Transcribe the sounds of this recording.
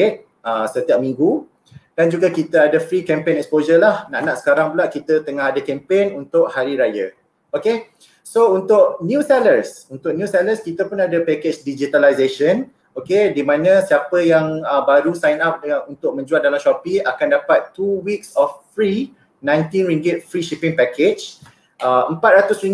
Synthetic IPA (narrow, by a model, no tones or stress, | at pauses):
et̪̚ | əsət̪iap̚mĩŋɡu | d̥and͡ʒuɡakit̪əadəfɾikɛ̃mpenɛkspozəlahnaʔnaʔsə̥kaɾaŋbəlaʔkit̪ət̪əŋaɦadakɛmpenunt̪ʊʔhaɾiɾajə̰ | oke | sount̪ʊʔ̚njũsɛlərsunt̪ʊk̚njũsɛləskit̪əpʊnadəpɛket͡ʃdid͡ʒit̪alajzeʃən | okedimãnə̃siapəjaŋəbaɾusajnap̚unt̪ʊk̚mə̃ɲd͡ʒualdalamʃɔpiakandapat̪ːuwiksɔffɾi | nãjnt̪inɾiŋɡɪt̪̚fɾiʃipɪŋpɛked͡ʒ | əəmpat̪̚ɾat̪ʊsɾiŋ